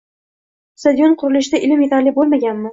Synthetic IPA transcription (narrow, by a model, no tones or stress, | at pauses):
sad̪jonqʰʊɾɪlɪʃɪd̪aʔɪlɪmje̞t̪ʰaɾlɪbolˠmaɡʲanmɪ